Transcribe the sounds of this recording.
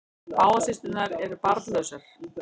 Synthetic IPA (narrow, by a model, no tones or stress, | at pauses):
aːwasɪst̪ʏnaɾɛɾpaɾt̪lœsaɾ̥